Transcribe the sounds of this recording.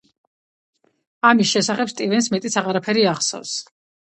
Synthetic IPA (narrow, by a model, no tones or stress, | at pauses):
amisʃɛsaχɛpst̪ʼivɛnsmɛt̪ʼit̪sʰaʁaɾapʰɛɾiaχsɔ̰vs